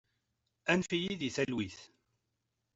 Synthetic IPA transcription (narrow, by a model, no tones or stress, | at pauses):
ænfijiðiθælwiθ